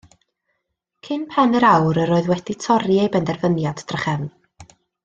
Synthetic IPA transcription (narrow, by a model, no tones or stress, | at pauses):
kʰɪnpʰɛnəɾawɾəɾoːɨðwɛd̥itʰɔɾiejbɛndɛrvənjadd̥rəχɛvn